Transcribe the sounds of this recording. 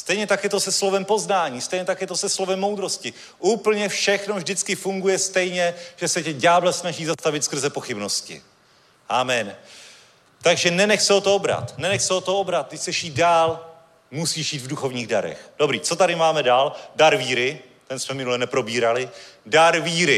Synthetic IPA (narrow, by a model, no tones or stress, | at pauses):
st̪ɛjɲɛt̪akjɛt̪o̞sɛslo̞vɛmpo̞znaːɲiːst̪ɛjɲɛt̪akjɛt̪osɛslo̞vɛmːo̞wd̪ɾo̞scɪ | ʔuːpl̩ɲɛfʃɛxno̞vʒdɪt͡skɪfuŋɡujɛst̪ɛjɲɛʒ̥ɛsɛcɛɟaːblɛsnaʒiːzast̪avɪt̪skr̩zɛpo̞xɪbno̞scɪ̰ | ʔamɛn | t̪aɡʒɛnɛnɛxsɛot̪oobɾa̰t̪nɛnɛxsɛot̪oobɾat̪̚t̪ɪcsɛʃjiːdaːl | musiːʃiːt̪vduxo̞vɲiːɣda̰ɾɛ̰xd̥o̞bɾiːt͡so̞t̪aɾɪmaːmɛdaːldaɾviːɾɪ | t̪ɛnsmɛmɪnulɛnɛpɾo̞biːɾalɪdaɾviːɾɪ